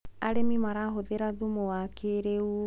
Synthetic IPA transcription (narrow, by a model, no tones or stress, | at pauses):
aɾemimaɾaɦoðeɾaðumowakʰeɾeu